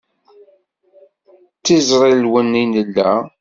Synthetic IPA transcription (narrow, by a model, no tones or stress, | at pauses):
t͡sːizɾˤillwənːinəlːæ̰